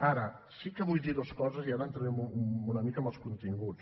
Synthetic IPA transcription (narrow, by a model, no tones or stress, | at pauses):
aɾə | sikəβujðiðoskɔzəziaɾənt̪ɾənemuunəmikəməlˠskunt̪iŋɡut͡s